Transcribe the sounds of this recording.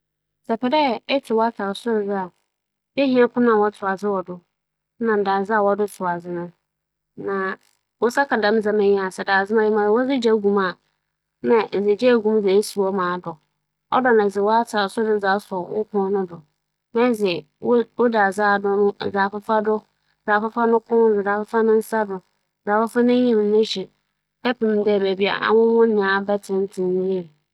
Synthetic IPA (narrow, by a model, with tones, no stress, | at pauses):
d͡zɛ˨pʰɛ˨dɛ˦˨ɛ˦tʰɪ˨wɔ˦a˦tʰa˨ɾsʊ˦ɾd͡zɪ˦a˨ | be˦hĩ˦a˦kʰʊ˦nã˨wɔ˦tʰʊ˨ɾa˨d͡zɪ˦wɔ˨dʊ˨˦ | nã˨m˨daː˨zɪ˦a˨wɔ˦dʊ˦sʊ˨a˨d͡zɪ˦nʊ̃˦ | nã˨ | wʊ˦sa˦kʰa˨dã˦m˦d͡za˨mã˨ɲi˦a˨sɛ˨daː˨zɪ˦mã˦jɪ˦mã˨ɪ˨wɔ˦d͡zɪ˦d͡ʑa˦ɡũ˨ma˨ | nã˨ʔd͡zɪ˨d͡ʑɛ˦˨ɡũ˦m˦d͡zɛ˨e˦su˨wɔ˦mãː˨dʊ˨ | ɔ̰˦dɔ˨nã˨zɪ˨wɔ˦a˦tʰa˨sʊ˦dɪ˨˦d͡za˨˦sɔ˨wʊ̰˦kʰʊ̃˦nʊ̃˦dʊ˨ | mɛ̃˦d͡zɛ˨˦ | wo˦da˨d͡zaː˦˨dʊ˦nʊ̃˦˨d͡za˨fɪ˦fa˦dʊ˦˨ | d͡za˨fɪ˦fa˦nʊ̃˦kʰʊ̃˦dʊ˨da˨fɪ˦fa˦nʊ̃˦n̩˦sa˦dʊ˨ | d͡za˨fɪ˦fa˦nʊ̃˦ɲĩ˦m˨˦nɪ̃˦ɕi˨ | ɛ˦pʰĩ˨m˨˦dɛ˦˨be˨bi˨a̰˨ʔa̰˨wʊ̃˦wʊ̃˦nɪ̃˨˦a˦bɛ˦tʰɪ̃˦n˦tʰɪ̃˨n˦nĩ˦e˦ɾ